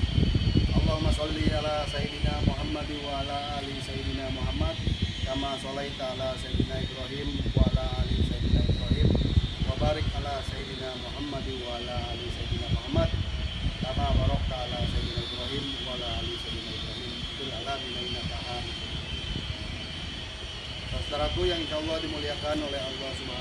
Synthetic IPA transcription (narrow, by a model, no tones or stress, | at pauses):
ʔɑlˤːɑɦumːasɑlːiʔalasajid̪inamuɦamːad̪waalaʔalisajid̪inamuɦamːad̪̚kamasɔlajt̪aalasajid̪inaːibɾaɦiːmwaalaʔalisajid̪inaibɾaɦiːmwabaɾɪk̚ʔalasajid̪inamuɦamːad̪waalaʔalisajid̪inaːmɦamːad̪̚kamabaɾɔk̚t̪aːlasajid̪inaibɾaɦimwalaalisajd̪inaibɾɔɦimit̪ulia̰labinainat̪aɦan | sasət̪aɾak̪ujaŋinʃaɔlˤːɔhdimuliakanolɛɦalːɔhsub